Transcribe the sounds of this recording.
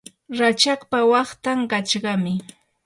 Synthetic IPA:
ɾat͡ʃakpawɑχt̪aŋkat͡ʃɢɑmɪ

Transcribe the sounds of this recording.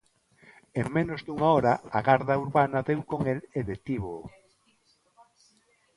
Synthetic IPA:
eŋmẽnozd̪uŋaɔɾɐaɣaɾðɐuɾβanɐðewkoŋeleðet̪iβo

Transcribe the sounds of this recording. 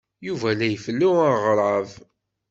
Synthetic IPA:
juvælæjfəlːuaʁɾˤʕəv

